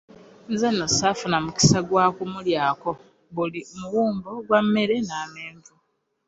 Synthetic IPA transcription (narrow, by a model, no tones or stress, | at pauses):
nzanːosafunamuki̥saɡwaːkumuljaːko̞ | βulimuwuːmboɡwamːe̞ɾe̞naːmeːɱvu